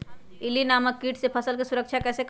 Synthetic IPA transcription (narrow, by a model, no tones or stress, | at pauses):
ilinaməkːiʈsepʰəsəlkesuɾəkt͡ʃʰakɛːsek